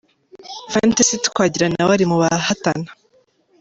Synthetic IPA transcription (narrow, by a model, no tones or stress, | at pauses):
fantasitu̥kwaːɟiɾanawaɾimuβahatana